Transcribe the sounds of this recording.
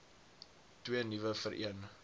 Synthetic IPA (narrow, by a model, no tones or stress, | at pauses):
twiənivəfəɾʔḭən